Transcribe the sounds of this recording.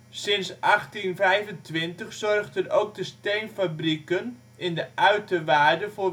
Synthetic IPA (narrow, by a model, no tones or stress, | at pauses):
sɪnsʔaχtinvɛjvəntʋɪntəχsɔrɣdənowk̚dəsteɥnfabrikən | ɪndəʔœɥtəʋaːɹdəvoː